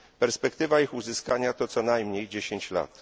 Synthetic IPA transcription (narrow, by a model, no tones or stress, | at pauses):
pɛɾspɛkt̪ɘvaixuzɘskaɲat̪ɔt̪sɔnajmɲejd͡ʑeɕeɲt͡ɕla̰t̪